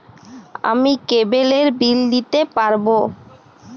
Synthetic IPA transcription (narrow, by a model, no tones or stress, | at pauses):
a̰mikebeleɾbilnit̪epaɾbo